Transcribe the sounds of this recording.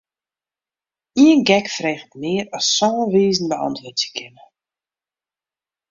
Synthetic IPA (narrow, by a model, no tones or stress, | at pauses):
iənɡɛkfreːχətnɪəɾɔsːɔːəʋiːzn̩bəɑ̰ntʋʊtjəkʰɪnə